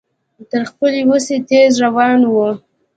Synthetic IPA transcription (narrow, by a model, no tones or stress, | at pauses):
t̪əɾxpəliwuset̪ezɾawɑnwu